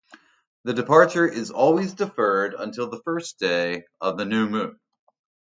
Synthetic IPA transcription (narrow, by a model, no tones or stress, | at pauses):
ðɨdɨpʰɑɹt͡ʃə˞ʔɪzɔlˠwizdɨfɜ˞ɾə̰̃ntʰɪlˠðəfɜ˞sd̥eɪʌvðɨnʉmʉ̃n